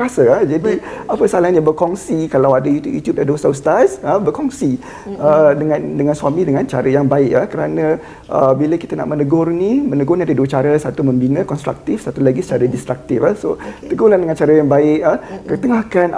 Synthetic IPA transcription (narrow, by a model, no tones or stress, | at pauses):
ɾasəad͡ʒadiapəsəalahɲabərkɔŋsikalawadajut̪ṵʔjṵt̪jup̚dadoəsawst̪arsəbərkɔŋsi | ədəŋandəŋansuamĩdəŋant͡ʃa̰ɾajaŋbaɪkəhkəɾana | ʔəbiləkit̪əna̰ʔmənəɡɔrnimənəɡɔrniadəduət͡ʃaɾasat̪uməmbinəkɔnst̪ɾa̰k̚t̪ifsat̪ulaɡisə̥t͡ʃaɾadist̪ɾak̚t̪ifasot̪əɡulandəŋant͡ʃaɾajaŋbaɪkəhkət̪əŋahkan